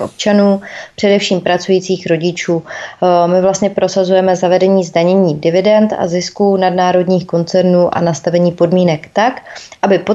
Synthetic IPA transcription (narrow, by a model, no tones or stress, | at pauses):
ʔo̞̰p̚t͡ʃanuːpr̥ɛdɛfʃiːmpɾat͡sujiːt͡siːxɾo̞ɟɪt͡ʃuːmɪvlast̪ɲɛpɾo̞sazujɛmɛzavɛdɛɲiːzdaɲɛɲiːdɪvɪdɛnt̪a̰zɪskuːnadnaːɾo̞dɲiːxko̞nt͡sɛɾnuːʔa̰nast̪avɛɲiːpodmiːnɛkt̪akʔʔabɪpo